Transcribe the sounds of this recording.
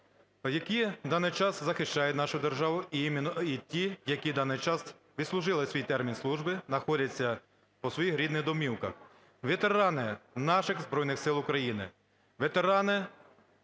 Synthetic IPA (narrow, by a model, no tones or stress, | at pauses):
jɐkʲid̪ɑnɪjt͡ʃɑszɐxɪʃt͡ʃɑjʊt̚ʲnɑʃʊd̪erʒɑʋʊimɪnitʲijɐkʲid̪ɑnɪjt͡ʃɑs | ʋʲid̪slˠʊʒɪlˠɪsʲʋʲijt̪ɛrmʲinslˠuʒbɪnɐxɔdʲɐt͡sʲːɐ | pɔsʋɔjixɾʲid̪nɪɣd̪ɔmʲiwkɐ̰x | ʋet̪eɾɑnɪnɑʃɪxzbɾɔjnɪxsɪlˠʊkɾɐjinɪ̰ | ʋet̪eɾɑnɪ